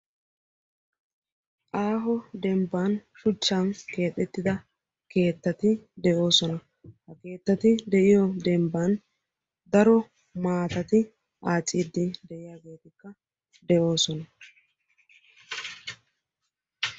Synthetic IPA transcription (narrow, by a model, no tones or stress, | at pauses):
ʔaːɦɔd̪ɛmbanʃʊt͡ʃːanke̞ːt̪ʼːɛt̪ːɪd̪ɐ | ke̞ːt̪ːɐt̪ɪd̪ɛʔo̞ːsɔnɐ | hɐke̞ːt̪ːɐt̪ɪd̪ɛʔɪjɔd̪ɛmbaːn | d̪ɐɾɔ | maːt̪ɐt̪ɪ | aːt͡sʼːiːd̪ːɪd̪ɛʔɪjaːɡe̞ːt̪ɪkːɐ | d̪ɛʔo̞ːsɔnɐ